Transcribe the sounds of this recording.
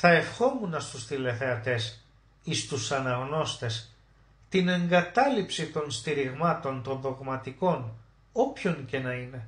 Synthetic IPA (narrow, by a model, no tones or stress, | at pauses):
θɐe̞fxo̞munɐst̪usθile̞θe̞ɐt̪e̞s | ist̪usɐnɐɣno̞st̪e̞s | t̪ine̞ŋɡɐt̪ɐlipsit̪o̞nst̪iɾiɣmɐt̪o̞nt̪o̞nðo̞ɣmɐt̪iko̞n | o̞pço̞ɲce̞nɐine̞